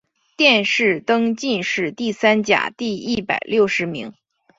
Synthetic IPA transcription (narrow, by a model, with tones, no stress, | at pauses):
t̪jɛ˥˧nʂɻ̩˥˩t̪ɤ˥ŋt͡ɕi˥˧nʂɻ̩˥˧t̪i˥˩sa˥nt͡ɕja̰˨˩t̪i˥˧i˥˩pa̰˨˩ɪljo˥˩ʊʂɻ̩˧˥mi˧˥ŋ